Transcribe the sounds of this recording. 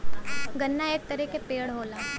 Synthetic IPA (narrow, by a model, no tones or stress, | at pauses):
ɡɐnːaeːk̚t̪ɐɾikepeːɽɦoːlaː